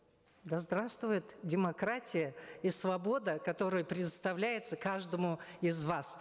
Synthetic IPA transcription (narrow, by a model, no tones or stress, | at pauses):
d̪ɐzd̪ɾast̪vʊjɪt̪dʲɪmɐkɾatʲɪjəisvɐbo̞d̪əkɐt̪o̞ɾəjəpɾʲɪd̪ət̪st̪ɐvlʲæjɪt̪səkaʐd̪əmʊɪzvas